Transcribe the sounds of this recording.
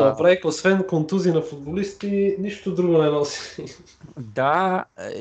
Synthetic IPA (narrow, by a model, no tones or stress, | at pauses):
nɐpɾaikosvɛnkont̪uzinɐfʊd̪̚bolist̪iniʃt̪ʊd̪ɾuɡonɛnalˠsi̥ | d̪a